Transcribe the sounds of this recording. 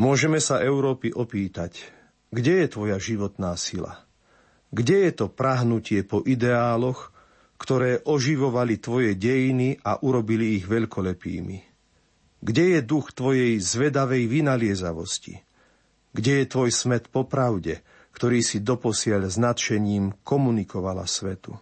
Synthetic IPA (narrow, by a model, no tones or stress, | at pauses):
mʊɔʒɛmɛsaʔɛʊɾɔːpiʔɔpiːt̪ac | ɡɟɛjɛt̪ʋɔjaʒiʋɔt̪naːsila̰ | ɡɟɛjɛt̪ɔpɾaɦnucɪɛpɔʔid̪ɛaːlɔx | kt̪ɔɾɛːʔɔʒiʋɔʋalit̪ʋɔjɛɟɛjiniʔa̰ʔuɾɔbiliːɣʋɛʎkɔlɛpḭːmḭ | ɡɟɛjɛd̪uxt̪ʋɔjɛjzʋɛd̪aʋɛjʋinalɪɛzaʋɔscḭ | ɡɟɛjɛt̪ʋɔjsmɛt̪pɔpɾaʊɟɛ | kt̪ɔɾiːsid̪ɔpɔsɪaʎznat̪ʃɛɲiːmkɔmunikɔʋala̰sʋɛt̪u